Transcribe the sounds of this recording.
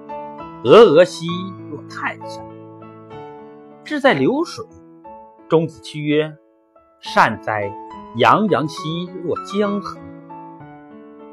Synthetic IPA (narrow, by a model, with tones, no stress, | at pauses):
ɤ˧˥ɤ˧˥ɕi˥lwɔ˥˩t̪ʰa˥˧nɕa˥˩˦ŋ | ʈ͡ʂɻ̩˥˧t͡sa˥˩ɪljo˧˥ʊʂwe˨˩˦ɪ | ʈ͡ʂʊ˥ŋt͡sɹ̩˨˩t͡ɕʰi˥ɥɛ˥ | ʂa˥˧nt͡sa˥˩ɪjɑ˧˥ŋjɑ˧˥ŋɕi˥lwɔ˥˩t͡ɕjɛ˥ŋxɤ˧˥ŋ